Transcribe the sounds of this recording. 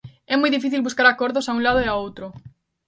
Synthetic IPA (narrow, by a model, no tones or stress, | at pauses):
ɛmujðifiθilβuskaɾakoɾðosaũlaðoeaowt̪ɾo